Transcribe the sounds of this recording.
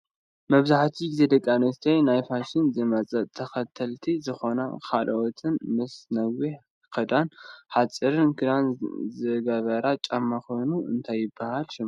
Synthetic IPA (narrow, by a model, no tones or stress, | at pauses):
mɐβzaħt̪ʰiɡzed̪ɐkʼːanɨst̪ʰɐjnajfaʃɪnzɨmɐt͡sʼɐt̪ʰːɐxɐt̪ʰɐlt̪ʰizɨxo̞na̰kʰalʔot̪ʰɨnmɨsnɐwi | kʰɐd̪anħat͡sʼɨɾɨnkʰɨd̪anzɨɡɐβɐɾat͡ʃʼamːaxonuɨ̰nt̪ʰajːɪbːahalʃɨm